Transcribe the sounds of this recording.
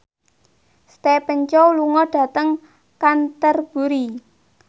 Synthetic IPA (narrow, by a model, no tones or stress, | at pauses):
st̪epəɲt͡ʃɔluŋɔɖ̥ä̤t̪əŋ | kant̪ərb̥ṳɾi